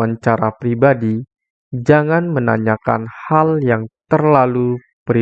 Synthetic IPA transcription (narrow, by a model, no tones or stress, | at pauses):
aɲt͡ʃaɾapɾibadi | d͡ʒaŋanmənaɲaka̰nhaljaŋt̪ərlalu | pəɾi